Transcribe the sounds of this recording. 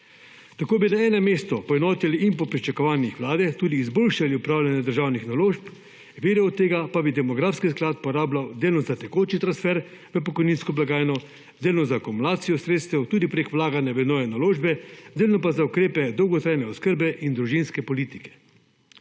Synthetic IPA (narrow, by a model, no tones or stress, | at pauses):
t̪akoːbinaɛːnɛmeːst̪ɔpɔɛnɔːt̪iliʔinpɔpɾit͡ʃakɔʋaːnixʋwlaːd̪ɛt̪uːd̪iːzboːlʃaliupɾaːwlʲjanjad̪əɾʒaːwnixnaloːʃp | ʋeːɾɛwt̪ːeːɡapabid̪ɛmɔɡɾaːfskisklaːt̪̚pɔɾaːblawd̪eːlnɔzat̪ɛkoːt͡ʃit̪ɾansfɛɾ | ʋəpɔkɔjniːnskɔblaɡaːjnɔ | d̪eːlnɔzakumulaːt̪sijɔsɾeːt̪st̪ɛwt̪uːd̪ipɾekwlaːɡanjaʋɛd̪nɔːjɛnaloːʒbɛd̪eːlnɔpazaukɾeːpɛd̪ɔwɡɔt̪ɾaːjnɛɔskəɾbɛʔind̪ɾuʒinskɛpɔliːt̪i̥kɛ̥